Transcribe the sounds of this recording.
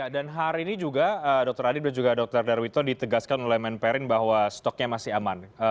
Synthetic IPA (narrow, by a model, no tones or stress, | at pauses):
adanɦaɾiːnid͡ʒuɡaədɔk̚t̪əɾadɪt̚dand͡ʒuɡadɔk̚t̪ərdarwit̪ɔdit̪əɡaskanolɛhmɛnpɛɾɪnbaɦwast̪ɔk̚ɲamasɪɦamanə